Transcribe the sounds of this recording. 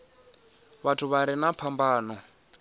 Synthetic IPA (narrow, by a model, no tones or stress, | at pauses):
βatʰuβaɾinapʰambaːnɔ